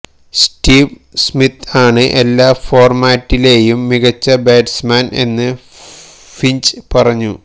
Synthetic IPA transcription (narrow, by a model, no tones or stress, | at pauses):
stiːʋ | smit̪ʰaːɳɨʔe̞lːaːfo̞ːrmaːtːile̞ːjumːiɣɐt͡ɕːɐbeːdsmaːne̞̰nːɨ | fiɲt͡ɕɨpɐrɐɲːu